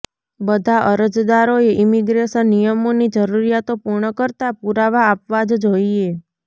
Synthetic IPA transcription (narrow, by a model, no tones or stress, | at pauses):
bəd̪ʱaʔəɾəd͡ʒd̪aɾoeʔimiɡɾeʃənːijəmonid͡ʒəɾuɾijat̪opuɾɳəkəɾt̪apuɾaʋaːpʋad͡ʒd͡ʒoie